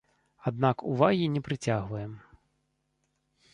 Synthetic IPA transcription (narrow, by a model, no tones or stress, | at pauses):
ad̪nakuvaɣʲinʲɛpɾɨt͡sʲaɣʋɐjɛm